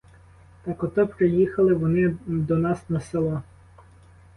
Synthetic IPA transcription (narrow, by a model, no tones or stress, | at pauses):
t̪ɑkɔt̪ɔpɾejixɐlˠɪʋɔnɪd̪ɔnɑsnɐselˠɔ